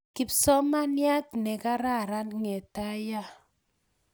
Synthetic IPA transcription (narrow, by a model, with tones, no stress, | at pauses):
kɪ˨psɔ˦ma˦nja˦tnɛ˨ka˦ɾa˦˨ɾa˦nŋe˨ta˦ja˦